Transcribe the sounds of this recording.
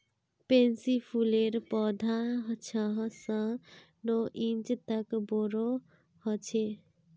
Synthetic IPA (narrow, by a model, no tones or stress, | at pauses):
pensipʰuleɾpɔd̪ʱaɦt͡ʃʰãɦsə̃ | noʔint͡ʃt̪əkboɾo | hʌt͡ʃʰe